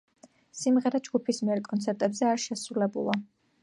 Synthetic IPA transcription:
simʁɛɾad͡ʒɡupʰismiɛɾkʼɔnt̪sʰɛɾt̪ʼɛbzɛaɾʃɛsɾulɛbṵlˠa

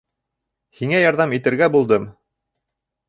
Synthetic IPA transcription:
hiŋæjɑɾðɑmit̪ɘ̆ɾɡæbulˠd̪ɤm

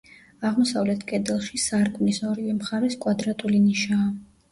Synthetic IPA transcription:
aʁmɔsavlɛt̪ʰkʼɛd̪ɛlˠʃisaɾkʼmnisɔɾivɛmχaɾɛskʼwad̪ɾat̪ʼuliniʃaː

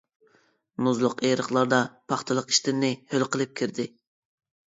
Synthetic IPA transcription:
nuzlˠʊqeɾəχlˠɑɾd̪ɑpʰɑχt̪ʰɨlˠəqi̥ʃt̪ɪnnːɪhølqəlˠɨp̚kʲʰiɾd̪ɪ

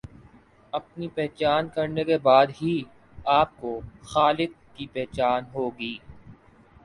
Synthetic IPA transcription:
ɐpnipɛɦt͡ʃaːnkɐɾnekebaːd̪ɦi | aːp̚koxaːlɪkːipɛɦt͡ʃaːnɦoːɡiː

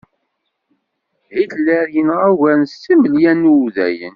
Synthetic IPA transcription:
hiθlæɾjənʁawænsiməljænːuðæ̰jə̰n

